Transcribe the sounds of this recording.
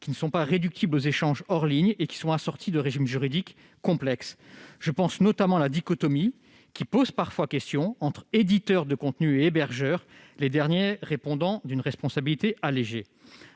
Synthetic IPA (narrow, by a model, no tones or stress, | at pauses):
kʲinəsɔ̃paʁed̪yk̚t̪ʰiblozeʃɑ̃ʒɔʁliɲekʲi̥sɔ̃asɔʁt̪ʰid̪əʁeʒimʒyʁid̪ikː | ɔ̃plɛksʒ̥əpɑ̃snɔt̪amɑ̃lad̪ikɔt̪ɔmi | kʲipozpaʁfwakʲɛst̪jɔ̃ɑ̃t̪χed̪it̪œʁd̪əkɔ̃t̪nyeebɛʁʒœʁ | led̪ɛʁnjeʁepɔ̃d̪ɑ̃d̪ynʁɛspɔ̃sabilit̪eʔaleʒe